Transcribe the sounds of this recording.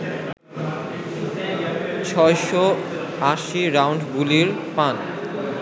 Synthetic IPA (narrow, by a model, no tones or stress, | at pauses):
t͡ɕʰɔeʃɔ | aʃiɾawɳɖɡuliɾpan